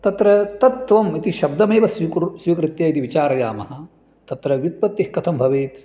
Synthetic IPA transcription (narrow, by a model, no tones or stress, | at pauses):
t̪ɐt̪ɾɐt̪ɐt̪ʋɐmit̪iʃɐb̚d̪ɐmeːʋɐssʋikɾɪt̪jɐːit̪iʋit͡ʃaːɾɐja̰ːmɐɦɐ̆ | t̪ɐt̪ɾɐʋjut̪̚pɐt̪ːihkɐt̪ʰɐmbʱɐʋeːt̪